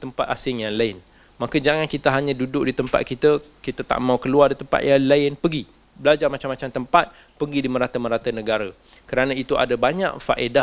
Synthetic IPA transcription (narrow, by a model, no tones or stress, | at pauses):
t̪əmpat̪̚asɪŋjaŋlaɪn | makəd͡ʒaŋankit̪aɦaɲə̃dudʊʔ̚dit̪əmpa̰t̪̚kit̪əkit̪at̪a̰ʔmãukəluardit̪əmpa̰t̪̚jaŋlaɪnpəɡi | bəlad͡ʒarmat͡ʃamat͡ʃamt̪əmpat̪̚ | pəɡidimə̃ɾat̪əmə̃ɾat̪ənə̃ɡaɾə | kəɾanãit̪uʔa̰dabaɲã̰ʔfa̰ʔedah